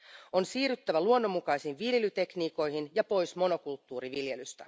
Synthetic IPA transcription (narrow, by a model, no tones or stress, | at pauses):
o̞nsiːɾyt̪ːæʋæluonːomːukɑjsinʋiljelyt̪e̞kniːko̞jɦinjɑpo̞jsmo̞no̞kult̪ːuːɾiʋilje̞lyst̪æ